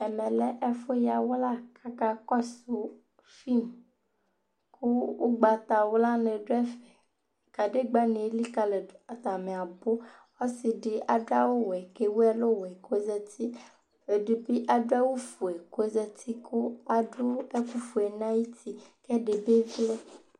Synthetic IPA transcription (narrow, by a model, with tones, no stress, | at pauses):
ɛ˨mɛ˨lɛ˦ʔɛ˦fo˦ja˨wo˦la˦kʰa˦ka˦kɔ˦su˨ | fi˦m | kʰu˦wo˦ɡ͡ba˨t̪a˨wo˦la˦nɛ˨ɖo˦ɛ˦fɛ˨ | ka˨ɖe˦ɡ͡ba˦nẽ˨˦li˦ka˨lɛ˨a˨t̪a˨me˨a˨bo˦ | wɔ˦si˨ɖe˨ʔa˨do˦a˦wo˦wɛ˨ke˦wo˦ɛ˦lo˦wɛ˨ko˦zɛ˦t̪i˦ | e˨du˨bi˦ʔa˨do˦a˦wo˦fu˨e˨ko˦zɛ˦t̪i˦ku˦a˨ɖo˦ɛ˦ku˦fu˨e˨nã˦ji˦t̪ʰi˦kɛ˦ɖe˨be˦vi˦le˦